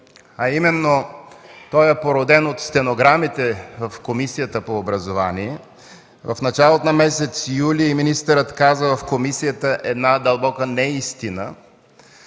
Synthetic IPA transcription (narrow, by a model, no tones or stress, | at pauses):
ɐimɛnːot̪ɔjɛpoɾod̪ɛnot̪st̪ɛnoɡɾamit̪ɛvɐfkomisijət̪əpoːbɾɐzovaniɛ | vɐfnɐt͡ʃalˠot̪onɐmɛsɛt̪sijuliiminist̪əɾət̪kazəvɐfkomisijət̪əʔɛd̪nad̪ɐlˠbɔkənɛist̪inə̰